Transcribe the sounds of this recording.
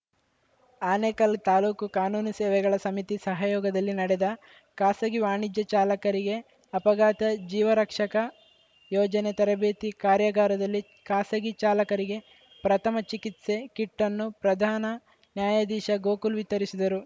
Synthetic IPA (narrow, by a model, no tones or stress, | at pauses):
aːneːkɐlt̪aːluːkukaːnuːnɐsɛːʋɛɡɐɭɐsɐmit̪isɐɦɐjɔːɡɐd̪ɐlːinɐɽed̪ɐ | kaːsɐɡiʋaːɳid͡ʒjɐt͡ʃaːlɐkɐɾiɡe̞ | ɐpɐɡaːt̪ɐd͡ʒiːʋɐɾɐkʂɐkɐ | jɔːd͡ʒɐnet̪ɐɾɐbeːt̪ikaːɾjɐɡaːɾɐd̪ɐlːi | kaːsɐɡit͡ʃaːlɐkɐɾiɡe̞ | pɾɐt̪ʰɐmɐt͡ʃikit̪se̞kiʈːɐnːupɾɐd̪ʱaːnɐ | njaːjad̪iːʃɐɡo̞ːkulʋit̪ːɐɾisid̪ɐɾu